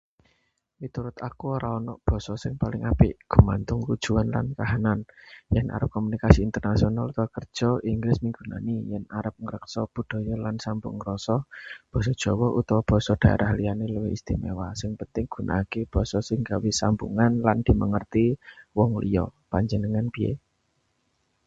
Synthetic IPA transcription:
wit̪uɾʊt̪akuoɾaɔnɔ̰ʔb̥ɔ̤sɔsɪŋpalɪŋapɪʔɡ̥ṳmant̪ʊŋkud̥ʒ̥uanla̰nkaɦananjɛnʔa̰ɾəp̚kɔmunikasiːnt̪ərnasionalut̪ɔkərd̥ʒ̥ɔiŋɡlɪsmiŋɡṳna̰nijɛnaɾəp̚ŋəɾəksɔb̥ṳd̥oɔ̤jɔlansambʊ̰ŋɾɔsɔb̥ɔ̤s̬ɔd̥ʒ̥ɔ̤wɔʔut̪ɔwb̥ɔ̤sɔd̥a̤a̰ɾʔahlianeləweist̪imḛwasɪŋpənt̪ɪŋɡ̥ṳnʔa̰ːkeb̥ɔ̤sɔsɪŋɡawisambṵŋanland̪̥i̤məŋərt̪iwɔŋlḭjɔ̰paɲd͡ʒənəŋanb̥iḛ

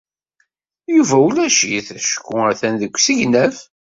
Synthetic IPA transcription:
juvæulæʃḭθæʃə̥kːʊəθænðəkʷːsiʝnæf

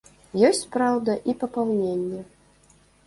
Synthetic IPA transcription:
jɔsʲt͡sʲpɾawd̪ɐʔipɐpawnʲenʲːɛ

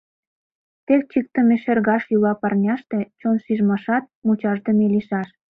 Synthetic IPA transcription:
t̪ek̚t͡ɕik̚t̪əmeʃerɣɑʃjulɑpɑrnʲɑʃt̪et͡ɕonʃiʒmɑʃɑt̪̚mut͡ɕɑʒd̪əmeliʃɑʃ

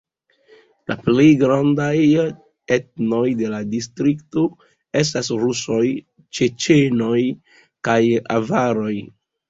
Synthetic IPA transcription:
la̰ple̞jɡɾandaj | e̞tno̞jde̞ladistɾikto̞ | e̞s̬tasɾuso̞j | t͡ʃe̞t͡ʃe̞no̞j | kaja̰vaɾo̞j

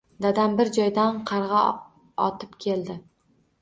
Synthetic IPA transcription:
d̪ad̪ambɪɾd͡ʒɒjd̪anqʰɑɾʁɑ | ɒt̪ʰɪpkʲʰe̞ld̪ɪ

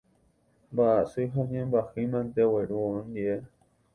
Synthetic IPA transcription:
baʔasɨɦoɲẽmbahimãnt̪eweɾuõnd̪iʔe

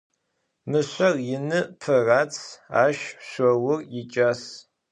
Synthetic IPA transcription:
mɨɕʷɐrjɪnɨpʰɨraːt͡sʰa̰ːʃɕʷɐwʊrjɪt͡ʃʼas

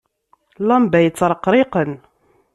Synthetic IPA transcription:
lɑmbæjt͡sːɾˤqːɾˤiqən

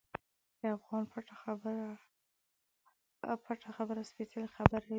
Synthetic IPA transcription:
d̪̥əafɣɑnpaʈaxbɾa | paʈaxabəɾaspesalxabaɾa

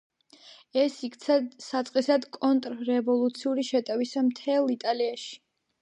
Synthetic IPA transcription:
ɛsikʰt̪sʰasat̪sʼqʼisad̪kʼɔnt̪ʼɾɾɛvɔlˠut̪sʰiuɾiʃɛt̪ʼɛvisamt̪ʰɛlˠit̪ʼaliaʃi̥

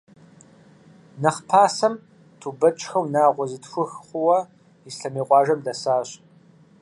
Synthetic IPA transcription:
nɐχpʰaːsɐm | tʰubɐt͡ʃʼxɐwnaːʁʷɔzɨtxʷʊxχʷʊwɐ | isɬɐmiːqʷʼɑːʒɐmdɐsaːɕ

